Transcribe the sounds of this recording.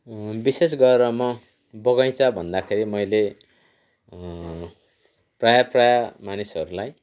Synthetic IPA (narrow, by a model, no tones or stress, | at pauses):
bises̬ɡʌeɾʌmʌ | bʌɡʌj̃t͡sʰʌbʱʌnd̪akʰeɾimʌjle | prajaprajamanisʌɾulaj